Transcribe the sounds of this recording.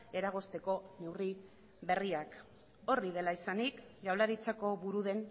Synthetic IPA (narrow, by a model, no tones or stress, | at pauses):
e̞ɾaɣ̞o̞st̪e̞ko̞ne̞wri | βe̞riak | o̞rið̞e̞laisanikɡawlaɾit͡sako̞βuɾuðe̞n